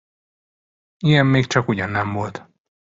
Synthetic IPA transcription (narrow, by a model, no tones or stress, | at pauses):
iɡɛmːeːkt͡ʃɒkuɟɒnːɛmvo̞lt̪